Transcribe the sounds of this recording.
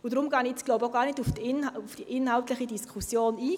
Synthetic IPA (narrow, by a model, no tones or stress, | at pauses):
ʊdɾʊmɡɑːnɪt͡sɡ̥lʊbaɡ̥ɑːʁnɪtʊfnʊfd̥iʔɪnhaʊtlɪχədiskʰusjoːniː